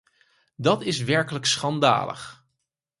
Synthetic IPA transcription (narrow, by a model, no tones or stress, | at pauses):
dɑtɪsʋɛɹkələksχɑnda̰ːlə̰χ